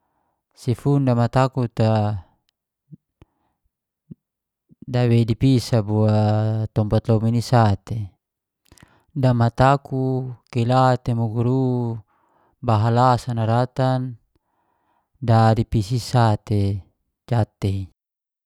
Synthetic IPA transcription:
sifundamat̪akut̪a | dawedipisabuat̪ɔmpat̪lɔminisat̪e | damat̪akukelat̪emuɡuɾu | baɦalasanaɾat̪an | dadipisisat̪e | d͡ʒat̪ei

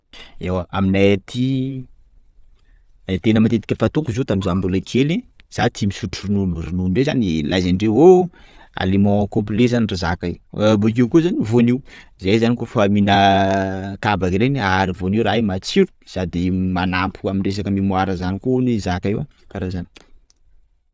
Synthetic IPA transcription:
ewaaminat̪ʰi | t̪enəmat̪et̪i̥kʲəfat̪ukuzot̪amizambulakʰeliz̥at̪ʰimisuʈ͡ʂurinulrinuɳɖ͡ʐezanilʔazanɖ͡ʐeoa̰limɔ̃komplezanirizakaebokiwkuzanivoniwzejzanikufaminə | kabakiɾenaɾivoniwɾaimat͡siɾu̥sad̪imanampʰuamiɳɖ͡ʐes̬akəmimuaɾəzanikunizakaewakaɾazani̥

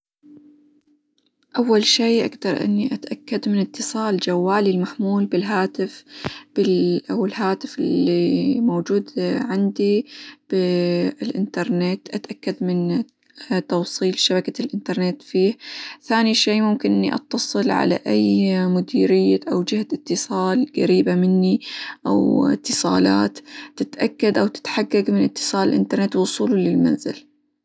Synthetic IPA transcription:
ʔawːalʃeːʔa̰ɡd̪ɑɾˤʔɪ̰nːiʔat̪ʔakːad̪mɪnɪt̪ʰːɨsˤɑːld͡ʒawːaːlilmaħmuːlbɪlɦaːt̪ɪfb̥ɪʔawɪlɦaːt̪ɪfɪlːimowd͡ʒuːd̪ʕɪnd̪ib̥ɪɪlʔɪ̰nt̪ɑɾˤnet̪ʔat̪ʔakːad̪mɪn | t̪ɑwsˤiːlʃabakalʔɪnt̪ɑɾˤnet̪fiːhθaːniʃeːmʊmkɪnʔɪnːiʔɑ̰t̪ːɑsˤɨlʕa̰la̰ʔajmʊd̪iːɾɪjːaʔawd͡ʒɪhat̪ɪt̪ːɨsˤɑːlɡa̰ɾiːbamɪnːiʔa̰wɪ̰t̪ːɨsˤɑ̰ːlaːt̪ːɪt̪ʔakːad̪ʔawt̪ɪ̥t̪ħaɡːaɡmɪnʔɪt̪ːɨ̥sˤɑːlɪlʔɪ̰nt̪ɑɾˤnet̪wʊsˤuːlulɪlma̰nzɪ̰l

